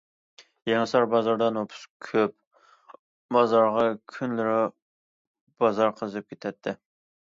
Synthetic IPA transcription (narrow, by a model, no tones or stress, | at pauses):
jeŋɨsɑɾbɑzɑɾd̪ɑnopʰu̥skʲʰøp̚ | bɑzɑɾʁɑkʲʰynlɪɾɪ | b̥ɑzɑɾqʰəzɨp̚kʲʰet̪ʰɛt̪ʰːɪ